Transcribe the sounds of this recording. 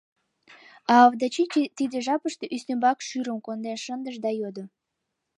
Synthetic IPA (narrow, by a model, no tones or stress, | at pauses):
ɑːvd̪ɑt͡ɕit͡ɕt̪id̪əʒɑpəʃt̪eʔysnembɑkʃyɾəmkond̪enʃənd̪əʒd̪ɑjod̪o